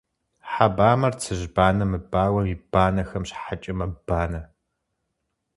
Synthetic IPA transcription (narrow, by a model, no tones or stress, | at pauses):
ħabaːmɐrt͡sʰɨʒbaːnɐmɨbaːwɐmib̥aːnɐxɐmɕħat͡ʃʼɪmɐbaːnɐ